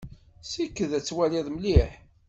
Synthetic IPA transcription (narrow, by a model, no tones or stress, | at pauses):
sikːəðæt͡sːwæliðˤməliħ